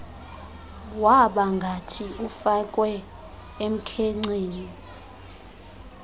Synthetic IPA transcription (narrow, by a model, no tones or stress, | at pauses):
waɓaŋɡʱatʰiufak̬ʼwɛ | em̩kʰeŋ͡ǀeːni